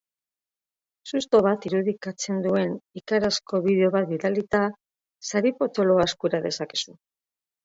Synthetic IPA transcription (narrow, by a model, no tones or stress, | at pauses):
sust̪o̞βat̪iɾuðikat͡se̞nd̪ue̞nikaɾasko̞βiðe̞o̞βat̪̚biðalit̪a | saɾipo̞t̪o̞lo̞askuɾaðe̞sake̥su